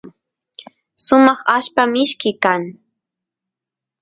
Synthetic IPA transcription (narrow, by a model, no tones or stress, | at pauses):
sʊmɑχaʃpamɪʃkɪkaŋ